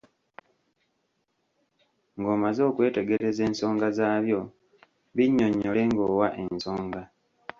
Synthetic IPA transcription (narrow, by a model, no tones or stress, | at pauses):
ŋɡoːmazo̞ːkwe̞ːte̞ɡe̞ɾe̞ze̞ːnso̞ːŋɡazaːβjo̞ | βiɲːoɲːole̞ŋɡo̞ːwaʔe̞nso̞ːŋɡa